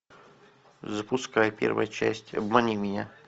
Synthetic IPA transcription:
zəpʊskajpʲḛrvə̰jət͡ɕæ̰sʲtʲɐ̰bmɐnʲimʲɪnʲa

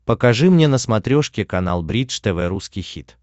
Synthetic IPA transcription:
pəkɐʐɨmnʲenəsmɐt̪ɾʲoʂkʲɪkɐna̰lˠbɾʲiʂt̪ɛvɛɾuskʲijxʲit̪

